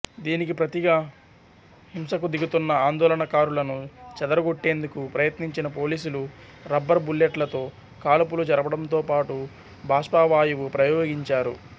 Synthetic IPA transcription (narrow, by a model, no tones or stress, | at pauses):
d̪iːnikipɾɐt̪iɡa | himsɐkud̪iɡut̪unːɐaːnd̪ɔːlɐɳɐkaːɾulɐnut͡ʃɛd̪ɐɾɐɡoʈːe̞ːnd̪ukupɾɐjɐt̪niɲt͡ʃinɐpo̞ːliːsuluɾɐbːɐɾbulːjeʈlɐt̪o̞ː | kaːlɐpulud͡ʒɐɾɐbɐɽɐmt̪oːpaːʈu | bʱaːʂpaːʋaːjuʋupɾɐjoːɡiɲt͡ʃaːɾu